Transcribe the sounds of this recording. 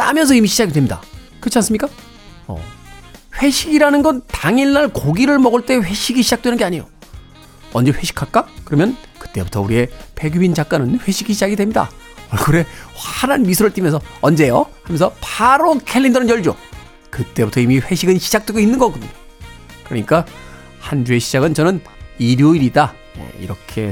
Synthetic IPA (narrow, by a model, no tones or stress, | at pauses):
t͈a̰mjʌns̬ʰʌimiɕʰid͡ʑaɡidwe̞mɲida̰ | kɯt͡ɕʰans͈ɯmɲik͈a | ʌ̰ | ɸwe̞ɕʰiɡiɾanɯnɡʌntaŋiɭːaɭkoɡiɾɯɭmʌɡɯɭt͈e̞ɸwe̞ɕʰiɡiɕʰid͡ʑak̚t͈wenɯnɡe̞aɲijo̰ | ʌnd͡ʑeɸwe̞ɕʰi̥kʰak͈akɯɾʌmjʌnkɯ̥t͈e̞̰butʰʌuɾie̞pe̞ɡjubind͡ʑak͈anɯnɸwe̞ɕʰiɡiɕ̬ʰid͡ʑaɡidwe̞mɲida̰ | ʌɭɡuɾe̞waɾanmis̬ʰɯɾɯɭt͈imjʌnsʰʌʌnd͡ʑe̞johamjʌnsʰʌpaɾokʰelːindʌɾɯnjʌɭd͡ʑo̰ | kɯt͈e̞butʰʌimiɸe̞ɕʰiɡɯnɕʰid͡ʑak̚t͈we̞ɡoinːɯnɡʌk͈ɯmia | kɯɾʌɲik͈a | hand͡ʑue̞ɕʰid͡ʑaɡɯnt͡ɕʌnɯn | iɾjoiɾida | ʌ̰ḭɾʌkʰe̞